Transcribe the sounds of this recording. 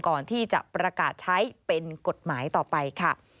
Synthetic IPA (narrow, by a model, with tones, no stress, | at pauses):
kɔː˨˩nt̪ʰiː˥˩t͡ɕa̰˨˩pɾa˧kaː˨˩t̪̚t͡ɕʰa˦˥jpe˧nko˨˩t̪̚maː˩˦jt̪ɔː˨˩pa˧jkʰa˥˩